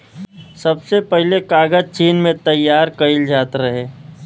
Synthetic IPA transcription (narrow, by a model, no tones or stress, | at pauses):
sɐbsepəɦlekaːɡəd͡ʒt͡ʃiːnmẽt̪ɐjːaːɾkɐɪld͡ʒaːt̪ɾəɦeː